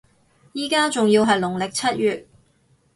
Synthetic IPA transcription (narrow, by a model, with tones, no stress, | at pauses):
jiː˨˩kaː˥t͡sʊ˨ŋjiː˧wɦɐ˨jlʊ˨˩ŋlɪ˨k̚t͡sʰɐ˥t̚jyː˨t̚